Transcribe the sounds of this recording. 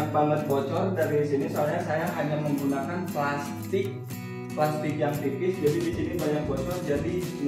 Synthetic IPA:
baŋət̪̚bɔt͡ʃɔrdaɾisinisoalɲasajaʔaɲaməŋɡunakanplas | t̪ɪk̚ | plast̪ɪk̚jaŋt̪ipɪsd͡ʒadidisinibajaŋbɔt͡ʃɔrd͡ʒadi

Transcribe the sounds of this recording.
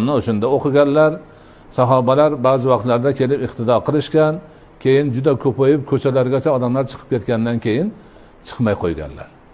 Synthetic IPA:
mnɪoʃʊnd̪aoqɨɡʲanlaɾ | saɦɒbalaɾbaːzɪvɑqt̪laɾd̪akʲʰe̞lɪpɪqt̪ʰɪd̪ɒqʰɨlˠɪʃkʲan | kʲʰe̞jɪnd͡ʒʊd̪akʰɵpajɪp̚kʲʰɵt͡ʃʰalaɾɡʲat͡ʃʰaɒd̪amlaɾt͡ʃʰɨ̥qʰɨp̚kʲʰe̞t̪kʲand̪ankʲʰejɪn | t͡ʃʰɨ̥qmajqʰojɡʲa̰nla̰ɾ

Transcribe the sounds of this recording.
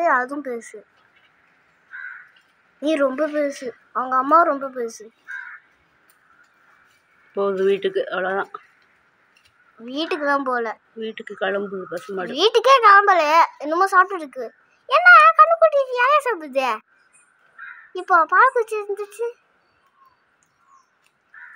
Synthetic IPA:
ɯɐðɯʊ̃mpeːsɯ | niːɾɔmbɐp̬eːsɯ | ɐʋɐŋɡɐːmːãːɾɔmbɐp̬eːsɯ | poːðɯʋiːʈːɯkːɯʔɐʋɐlɐt̪ãː | ʋiːʈːɯkːɯt̪ãːpoːlɐ | ʋiːʈːɯkːɯkɐɭɐmbɯðɯpɐsɐmaːʈʋiːʈːɯkːeːkɐlɐmbɐlɐjaːɪnːɯmːaːsaːʈːɯɪɾɯkːɯ | ɛnːɐkɐɳːɯkːuʈːɪʈːaːleːsaːpːɯt̪ːeː | ɪpːoːpaːlɐkʊɽt͡ʃːɯɪɾɯnd̪ɯt͡ʃːɯ

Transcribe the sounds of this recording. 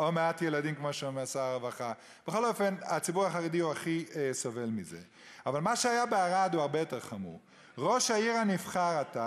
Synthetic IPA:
omeatjeladimkmoʃemeasaʁevaχa | b̥eχo̞lo̞fe̞nat͡sibuʁaχaʁediuaχiesove̞lmize | avalmaʃeajabeaʁad̪uaʁbe̞jo̞te̞ʁχamṵʁ | ʁo̞ʃaiʁanifχaʁata

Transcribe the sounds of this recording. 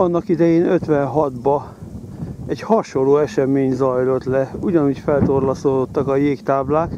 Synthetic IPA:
ɒnːɒkid̪ɛjeːnøt̪ʋɛnɦɒd̪bɒ | ɛɟhɒʃo̞lːoːɛʃɛmeːɲzɒjlo̞t̪lɛuɟɒnuːcfɛlt̪o̞rlɒsoːd̪o̞t̪ːɒkɒjeːkt̪aːblaːk

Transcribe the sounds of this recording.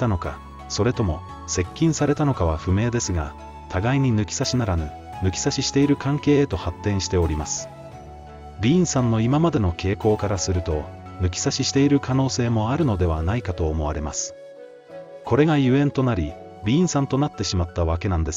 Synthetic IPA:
t̪ano̞ka | so̞ɾe̞t̪o̞mo̞ | se̞kʲːĩɰ̃saɾe̞t̪ano̞kaβ̞aɸɯ̟me̞ːd̪e̞sɨɡa | t̪ʰaɡaiɲ̟inɯ̟kʲi̥saɕinaɾanɯ̟ | nɯ̟kʲi̥saɕiɕi̥t̪e̞iɾɯ̟kãŋke̞ːt̪o̞hat̪ːẽ̞ɰ̃ɕi̥t̪e̞oɾʲimasɨ̥ | bʲĩːɰ̃sãnːo̞imamad̪e̞no̞ke̞ːko̞ːkaɾasɨɾɯ̟t̪o̞ | nɯ̟k̬ʲi̥saɕiɕi̥t̪e̞iɾɯ̟kʰano̞ːse̞ːmo̞aɾɯ̟no̞d̪e̞β̞anaikat̪o̞ːmo̞βaɾe̞masɨ̥ | kʰo̞ɾe̞ɡajɯ̟ẽ̞nt̪o̞naɾʲi | bʲĩːɰ̃sãnt̪o̞nat̪ːe̞ɕimat̪ːaβake̞nãnd̪e̞s

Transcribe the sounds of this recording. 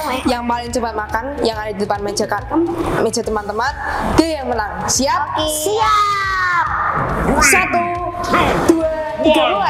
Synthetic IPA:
jaŋpalɪŋt͡ʃəbat̪̚makanjaŋadadidəpanme̥d͡ʒakarme̥d͡ʒ̥a̤t̪əmant̪əmankəjaŋmənaŋsiap̚sia | p̚sat̪u | d̥ua | ida

